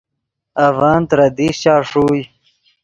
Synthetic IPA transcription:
avɑːnt̪ɾɐd̪iːɕaːʂuːj

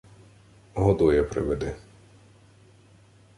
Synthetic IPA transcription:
ɦɔd̪ɔjɛpɾɪ̰ʋɛd̪ɪ

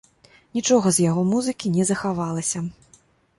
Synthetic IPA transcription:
nʲit͡ʂɔɣɐzjaɣɔmuzɨkʲinʲɛzɐxavalˠɐsʲɐ

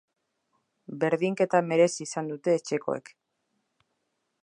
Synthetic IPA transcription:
be̞ɾðiŋke̞t̪ame̞ɾe̞siːsand̪ut̪e̞ːt͡ʃe̞ko̞̰ḛk

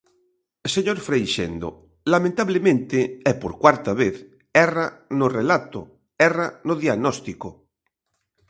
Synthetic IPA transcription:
seɲoɾfɾejʃḛnd̪o̰ | lamẽnt̪aβlemẽnt̪eɛpoɾkwaɾt̪aβ̞eθ | ɛranorelat̪o̰ | ɛranoðiaɣnɔst̪iko

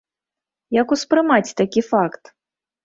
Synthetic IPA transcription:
jɐkuspɾɨmat͡sʲt̪akʲifakt̪

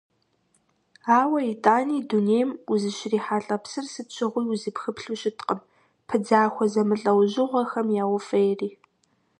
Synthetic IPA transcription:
aːwɐitʼaːniːdunejmuzɨɕriːħaːɬʼɐpsɨrsɨt͡ʃʰʼɪʁʷiːʊzɨpxɨpɬuɕɪtʰqʼəm | pʰɨd͡zaːxʷɔzɐmɨɬʼɐwʑɪʁʷɐxɐmjaːwʊfɐjriː

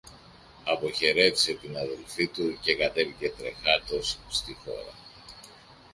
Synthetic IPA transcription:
ɐpo̞çe̞ɾe̞vise̞t̪inɐðe̞lfit̪uce̞kɐt̪e̞vice̞t̪ɾe̞xɐɾt̪o̞sst̪ixo̞̰ɾɐ̰

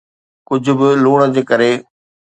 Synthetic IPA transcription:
kʊd͡ʑʱʊ̆bɪluːɽ̃əd͡ʑeːkəɾe

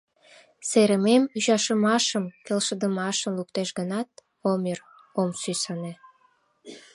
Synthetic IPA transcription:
seɾəmemyʒɑʃəmɑʃəmkelʃəd̪əmɑʃəmlukt̪eʃɡənɑt̪̚ | omir | omsysəne

